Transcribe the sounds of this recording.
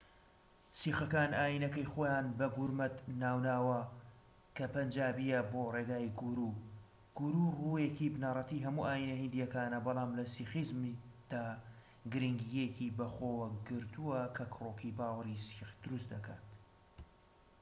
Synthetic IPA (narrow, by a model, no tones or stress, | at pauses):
siːxɐkaːnʔaːjinɐkɐjxoːjaːnbɐɡuɾmɐt̪naːwnaːwɐ | kʰɐpɐnd͡ʒaːbijɐboːreɡaːjɡuɾu | ɡ̥uɾurujekibnarˤɑt̪iːɦɐmuːʔaːjinɐhɨnd̪ijɐkaːnɐbɑlˠaːmlɐsixizmd̪̥aː | ɡɨɾiŋɡijekibɐxoːwɐɡɨɾt̪ʰuwɐkʰɐkʰroːkʰibaːwɐɾisixd̪̥ʊɾust̪d̪ɐka̰ːt̪